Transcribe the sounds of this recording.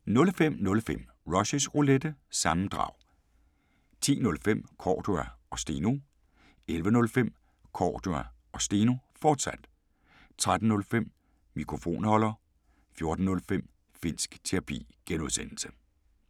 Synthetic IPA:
nɔ̽lfem̰nɔ̽lfem̰ | ʁɒ̽ɕəsʁoled̥əsɑ̈m̩d̥ʁɑ̰̈ʊ | t͡sʰḭːnɔ̽lfem̰kʰɒ̰ːd̥oæɒ̽sd̥iːno̝ | elʋənɔ̽lfem̰ | kʰɒ̰ːd̥oæ | ɒ̽sd̥iːno̝fɒːd̥sæd̥ | t͡sʰʁad̥n̩nɔ̽lfem̰ | mikʰʁo̝fo̝̰ːnhɒ̽lɐ | fjo̝ɐd̥n̩ːɔ̽lfem̰ | fin̰sɡ̥t͡sʰeʁɑ̈pʰḭːɡ̥enuðˠsen̰l̩sə̥

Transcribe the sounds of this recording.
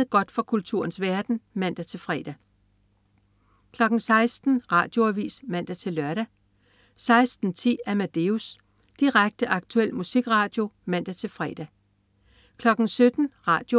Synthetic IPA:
ɡ̥ɒ̽d̥fɒ̽kʰult͡sʰṵɐn̩sʋæɐd̥n̩mæn̰d̥æt͡sʰe̝lfʁɛ̰ːd̥æ | kʰlɒ̽ɡ̥n̩sɑ̈ɪsd̥n̩ʁɑ̰̈ːd̥jo̝æʋḭːsmæn̰d̥æt͡sʰe̝lːɶɐɾ̥æ | sɑ̈ɪsd̥n̩t͡sʰḭːæmæd̥e̝us | d̥iʁaɡ̥̚d̥əʔɑ̈ɡ̥̚t͡sʰuel̰musiɡ̥ʁɑ̈ːd̥jo̝mæn̰d̥æt͡sʰe̝lfʁɛ̰ːd̥æ | kʰlɒ̽ɡ̥n̩sød̥n̩ʁɑ̈ːd̥jo

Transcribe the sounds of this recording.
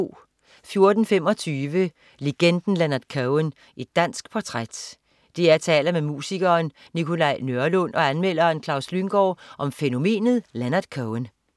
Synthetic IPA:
fjo̝ɐd̥n̩fem̰ɒ̽t͡sʰyːʋə | le̝ɡ̥end̥n̩lænɐd̥kʰœʊen | ʔe̝d̥ːæn̰sɡ̥̚pʰɒt͡sʰʁad̥ | d̥e̝æɐt͡sʰɛ̰ːlɐmemṵːsiɡ̥ɐːn | nikʰo̝lɑ̈ɪ̰nøɐlɔnʔɒ̽ænmel̰ɐːnkʰlɑ̈ʊslyŋɡ̥ɒːʔɒ̽mfeno̝me̝̰ːnð̞̩ˠlænɐd̥kʰœʊen

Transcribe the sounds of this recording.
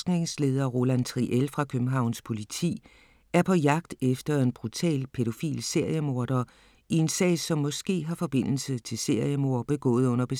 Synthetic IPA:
ɡ̥ne̝ŋsle̝ːð̞ˠɐʁo̝lænt͡sʰʁiʔelfʁɑ̈kʰøb̥m̩ɦɑ̈ʊ̰nspʰo̝lit͡sʰḭː | æɐpʰɒ̽jɑ̈ɡ̥̚d̥efd̥ɐe̝nb̥ʁut͡sʰɛ̰ːlpʰe̝ɾo̝fḭːlse̝ɐ̰jəmo̝ːɐd̥ɐ | ie̝nsɛ̰ːsɒ̽mːɒ̽sɡ̥e̝̰ːɦɑ̈fɒ̽b̥e̝n̰l̩sət͡sʰe̝lse̝ɐ̰jəmo̝ɐb̥e̝ɡ̥ɔ̰̽ːð̞̩ˠɔ̽n̰ɐb̥e̝

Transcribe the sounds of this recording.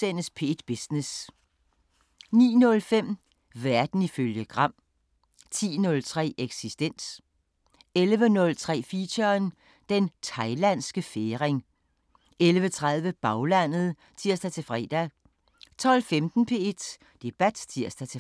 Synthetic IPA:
enəspʰe̝d̥b̥isnes | nḭːnɔ̽lfem̰ | ʋæɐd̥n̩iføljəɡ̥ʁɑ̈m̰ | t͡sʰḭːnɔ̽lt͡sʰʁɛ̰ːeɡ̥sisd̥en̰s | elʋənɔ̽lt͡sʰʁɛ̰ːfiɕɐn | d̥ent͡sʰɑ̈ɪlæn̰sɡ̥əfeːʁeŋ | elʋət͡sʰʁaðˠʋəb̥ɑ̈ʊlæn̰ð̞̩ˠ | t͡sʰiɐsd̥æt͡sʰe̝fʁɛ̰ːd̥æ | t͡sʰɒ̽l̰femd̥n̩pʰe̝ed̥ | d̥e̝b̥æd̥t͡sʰiɐ̰sd̥æt͡sʰe

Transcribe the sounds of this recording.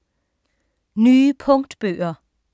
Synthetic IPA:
nyːpʰɔ̽ŋd̥b̥ø̰ːɐ

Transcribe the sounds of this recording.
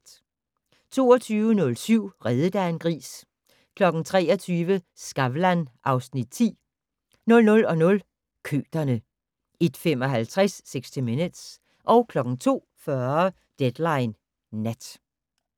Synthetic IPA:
t͡sʰo̝̰ːɒt͡sʰyːʋənɔ̽lsyʊ̰ʁɛðˠəd̥æenɡ̥ʁḭːs | kʰlɒ̽ɡ̥n̩t͡sʰʁɛ̰ːɒt͡sʰyːʋə | sɡ̥ɑʋlænʔɑ̈ʊsnid̥̚t͡sʰḭː | nɔ̽lnɔ̽lɒ̽nɔ̽l | kʰø̰ːd̥ɐnə | ed̥femɒ̽ɦælt͡sʰʁasːeɡ̥sd̥ʰimined̥s | ʔɒ̽ʊkʰlɒ̽ɡ̥ŋ̩t͡sʰo̝̰ː | fɶɐ | d̥ed̥lɑ̈ɪnː | æd̥

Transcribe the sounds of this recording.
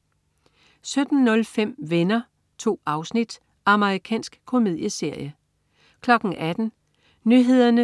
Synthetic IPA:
sød̥n̩nɔ̽lfem̰ʋenɐ | t͡sʰo̝̰ːɑ̈ʊsnid̥ | ɑ̈məʁikʰɛ̰ːnsɡ̥kʰo̝me̝ð̰ˠjəse̝ɐ̰jə | kʰlɒ̽ɡ̥n̩ʔæd̥n̩ | nyɦe̝ð̰ˠɐnə

